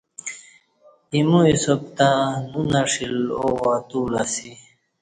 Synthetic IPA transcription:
imuisop̚t̪ãnunaʂilowat̪uːlasi

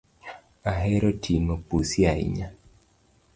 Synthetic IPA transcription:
aɦɛɾɔtʰiŋopusjaḭɲa

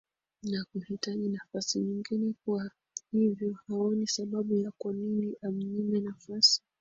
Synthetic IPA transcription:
nakuhitaʄinafasiɲiŋɡinɛkuwa | hivjɔhaɔnisaɓaɓujakwaniniʔam̩ɲimɛnafasi̥

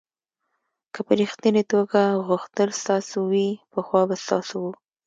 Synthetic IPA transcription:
kəpəɾixt̪init̪oɡaɣuxt̪əlst̪ɑsowipəxwɑbast̪ɑ̰sowu

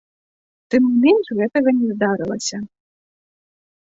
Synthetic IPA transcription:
t̪ɨmnʲimʲɛnʂɣɛt̪ɐɣɐnʲɛzd̪aɾɨlˠɐsʲɐ

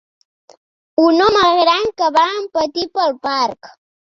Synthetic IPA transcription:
unɔməɣɾaŋkəβaəmpət̪ipəlˠpaɾk

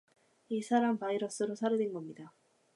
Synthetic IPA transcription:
isʰaɾampaiɾʌs͈ɯɾosʰaɾɯdenɡʌmɲida

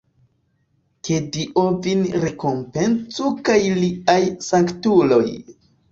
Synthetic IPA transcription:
kediʔovinɾe̞ko̞mpe̞nt͡sukajliajsaŋktulo̞̰j

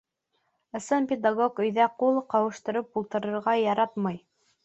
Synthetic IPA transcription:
ɤ̆sɤnpʲed̪aɡokɵ̆jðæqulˠqɑwɤ̆ʃt̪ɤ̆ɾɤpulˠt̪ɤ̆ɾɤ̆ɾʁɑjɑɾɑt̪mɑj

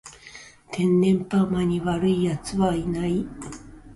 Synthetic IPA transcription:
t̪ʰẽ̞nːẽ̞mpamaɲ̟iβaɾɯijat͡sɨβainai

